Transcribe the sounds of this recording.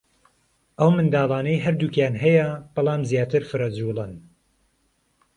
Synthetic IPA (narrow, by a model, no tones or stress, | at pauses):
ʔɐwmɨnd̪aːlˠɑːnɐjɦɐɾd̪uːkjaːnɦɛjɐb̥ɑlˠɑːmzjaːt̪ʰɨɾfɨɾɐd͡zulˠɨn